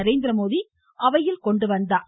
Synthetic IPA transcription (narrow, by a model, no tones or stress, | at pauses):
ɐɾeːnd̪ɪɾɐmoːði | ʔɐʋɐjɪlkɔɳɖɯʋɐnd̪aː